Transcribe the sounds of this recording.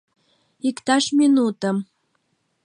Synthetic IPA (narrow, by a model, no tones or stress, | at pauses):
ikt̪ɑʃminut̪əm